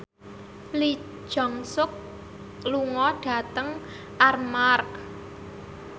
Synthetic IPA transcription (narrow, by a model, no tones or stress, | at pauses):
li̥ | ʒ̥ɔ̤ŋsʊk̚ | luŋɔɖ̥a̤t̪əŋ | ʔarmark